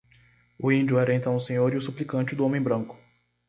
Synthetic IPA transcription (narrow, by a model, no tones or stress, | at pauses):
ʊĩnd͡ʒʊɛɾɐẽnt̪ɐ̃w̃ʊsẽɲoɾiʊsuplikɐ̃t͡ʃɪd̪ʊõmẽj̃bɾɐ̃ŋkʊ̥